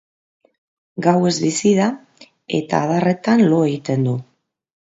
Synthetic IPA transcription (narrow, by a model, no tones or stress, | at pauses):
ɡawe̞zβisið̞a | e̞̰t̪a̰ːðare̞t̪anlo̞e̞ɣit̪e̞nd̪u